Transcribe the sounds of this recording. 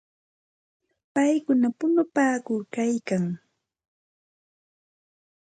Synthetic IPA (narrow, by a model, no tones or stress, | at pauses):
pajkʊnapʊnʊpaːkʊɾkajkaŋ